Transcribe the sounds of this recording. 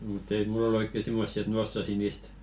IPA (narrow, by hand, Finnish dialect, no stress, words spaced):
mut ei mulː ol oikːe simːosːi et m osːɑsi niːst